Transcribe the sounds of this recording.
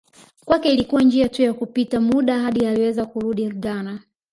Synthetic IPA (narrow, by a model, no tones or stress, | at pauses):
kwakɛilikuwand͡ʒiatujakupitamuɗaɦaɗialiwɛzakuɾuɗiɾɡana